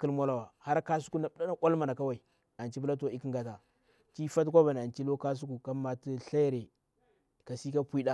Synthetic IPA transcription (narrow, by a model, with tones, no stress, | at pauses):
ki˦lmo˦la˦˨wa˨ha˦ɾka˦su˦ku˦na˨bɗa˦na˦kʷa˦lma˨na˨ka˦wa˨i˨ | a˨nt͡ʃi˦p̬u˦la˦t̬o˨i˦ki˦ŋɡa˨ta˨ | t͡ʃi˦fa˦t̬kʷa˦ba˨n˨a˨nt͡ʃi˦lo˦ka˦s̬u˦ku˨ka˦ma˨ti˦ɬa˦jɾe˨ | ka˨si˦ka˦pʷi˦ɗa˦